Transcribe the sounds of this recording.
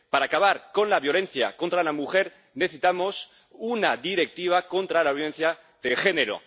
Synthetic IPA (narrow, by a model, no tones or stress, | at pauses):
paɾaːkaβaɾko̞nlaβjo̞lẽ̞n̟θja̰ko̞nt̪ɾalamuxe̞ɾ | ne̞θesit̪amo̞s | unaðiɾe̞k̚t̪iβ̞ako̞nt̪ɾalaβjole̞nθja | ðelxe̞neɾo̰